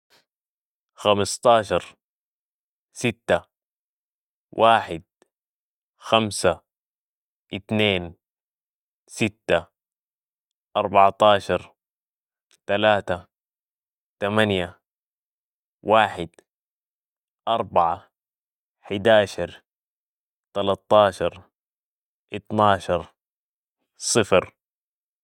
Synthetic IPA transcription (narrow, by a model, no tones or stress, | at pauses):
xamɑst̪ˤɑːʃɑɾˤ | sit̪ːa | wʔaːħɪd̪̚ | xamsa | ʔit̪neːn | sit̪ːa | ʔɑɾˤbɑʕt̪ˤɑːʃɑɾˤ | t̪alaːt̪a | t̪amanja | wʔaːħɪd̪ | ʔɑɾˤbɑʕa | ħɪd̪aːʃɑɾˤ | t̪alɑt̪ˤːɑːʃɑɾˤ | ʔɪt̪nɑːʃɑɾˤ | sˤɨfɾ